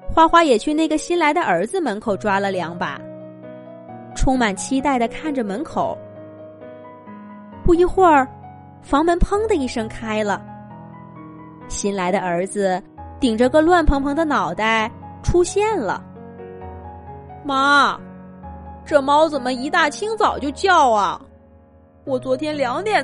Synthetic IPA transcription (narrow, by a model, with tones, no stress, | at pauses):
xwa˥˩xwa˥jɛ˨˩t͡ɕʰy˥˧na˥˩ɡə˩ɕi˥nla˧˥ɪd̪ə˧ʔə˞˧˥d͡zɹ̩˧mə˧˥nkʰo˨˩ʊʈ͡ʂwa˥lə˨ljɑ˧˥ŋba̰˧ | ʈ͡ʂʰʊ˥ŋma˨˩nt͡ɕʰi˥t̪a˥˩ɪd̪ə˩kʰa˥˩nʈ͡ʂə˩mə˧˥nkʰo˨˩˦ʊ | pu˥˩i˧˥xwə˥˩ | fɑ˧˥ŋmə˧˥npʰɤ˥ŋd̪ə˧i˥˩ʂɤ˥ŋkʰa˥ɪlə˨˩ | ɕi˧˥nla˧˥ɪɾə˧ə˞˧˥d͡zɹ̩˧ | t̪i˨˩ŋʈ͡ʂə˧˥ɡə˥˧lwa˥˩npʰɤ˧˥ŋpʰɤ˧˥ŋd̪ə˧nɑ˨˩ʊt̪a˥˩ɪ | ʈ͡ʂʰu˥ɕjɛ˥˩nlə̰˩ | ma˥˩ | ʈ͡ʂɤ˥˩mɑ˥ʊt͡sə˨˩nmə˦i˧˥t̪a˥˩t͡ɕʰi˥ŋt͡sɑ˨˩ʊt͡ɕjo˥˧ʊt͡ɕjɑ˥˩ʊɐ̰˩ | wɔ˨˩t͡swɔ˧˥t̪ʰjɛ˥nljɑ˧˥ŋt̪jɛ˨˩